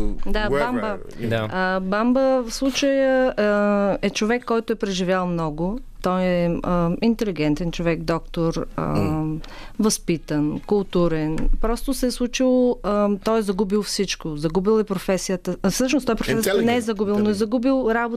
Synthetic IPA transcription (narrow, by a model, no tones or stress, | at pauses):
d̪abambəd̪əbambəfslˠut͡ʃəjə | ɛt͡ʃovɛkːɔjt̪ʊɛpɾɛʒivʲjalˠmnɔɡʊt̪ɔjɛəint̪ɛliɡɛnt̪ɛnt͡ʃovɛkd̪ɔkt̪oɾə̰ | vɐspit̪ənkʊlˠt̪uɾɛnpɾɔst̪osɛslˠut͡ʃilˠət̪ɔjzɐɡubilˠfsit͡ʃkozɐɡubilˠɛpɾofɛsijət̪əfsɤʃnost̪ɔjɛpɾofɛsənɛɛzɐɡubilˠnoɛzɐɡubilˠɾabo